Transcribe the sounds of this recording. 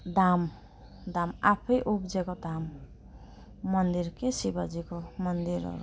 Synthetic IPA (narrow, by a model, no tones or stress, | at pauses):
d̪am | d̪amapʰʌjʔupd͡zekod̪am | ʌnd̪iɾkesibad͡zikomʌnd̪iɾʌ̰ɾṵ